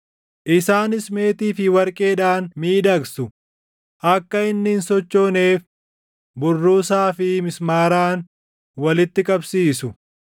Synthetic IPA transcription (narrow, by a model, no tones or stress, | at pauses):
ʔɪsaːnɪsme̞ːt̪iːfɪwɐɾkʼe̞ːᶑaːnmiːd̪ɐɡsʊ | ʔɐkːɐɪnːɪnsɔt͡ʃːo̞ːne̞ːf | bʊrːuːsaːfɪmɪsmaːɾaːn | wɐlɪt̪ːɪkʼɐbsiːsʊ